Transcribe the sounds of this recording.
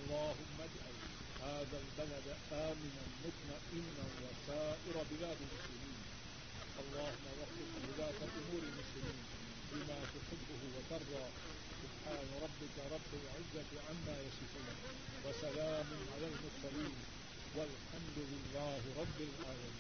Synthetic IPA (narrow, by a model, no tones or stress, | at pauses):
ʔɑlˤːɑːɦʊmːad͡ʒʕal | haːðaːlbalad̪ʔaːmɪnalmʊt̪naʔɪnːawasaːʔɪɾˤabɪðaːd̪ɪlmʊslɪmiːn | ʔɑlˤːɑːhʊmːawɑfɪqwɪðaːt̪alʔʊmuːɾɪlmʊslɪmiːn | bɪmaːt̪ʊħɪbːʊɦʊwat̪ɑɾˤd̪ˤɑː | sʊbħaːnaɾˤɑbːɪkaɾˤɑbːɪlʕɪzːat̪ɪʕamːaːjaʃɪfuːna | wasalaːmʊnʕalaːlmʊɾsaliːm | walħamd̪ʊlɪlːaːɦɪɾˤɑbːɪlʕaːlamiː